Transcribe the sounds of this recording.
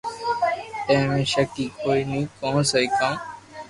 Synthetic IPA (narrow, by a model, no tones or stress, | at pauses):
t̪ə̃ɦmẽːʃəkiːkoːinĩːkõːsəikãː